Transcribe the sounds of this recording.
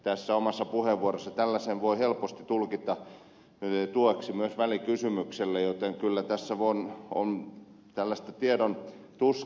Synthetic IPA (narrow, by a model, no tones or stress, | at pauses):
t̪æsːæomɑsːɑpuheʋuorosːɑt̪ælːæsenʋoihelpost̪it̪ulkit̪ɑ | t̪uoksimyøsʋælikysymykselːejot̪eŋkylːæt̪æsːæʋono̰n | t̪ælːæst̪æt̪iedon | t̪us